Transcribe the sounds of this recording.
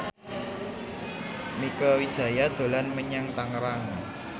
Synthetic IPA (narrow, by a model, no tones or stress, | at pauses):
mikəwid̥ʒ̥ä̤jad̪̥o̤lanməɲaŋt̪aŋɾaŋ